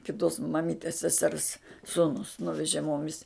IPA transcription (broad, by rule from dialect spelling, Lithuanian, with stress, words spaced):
kʲɪˈtoːs mɐˈmʲiːtʲeːs sʲɛˈsʲɛrs ˈsuːnʊs ˈnʊʋʲɛʒʲeː ˈmoːmʲɪs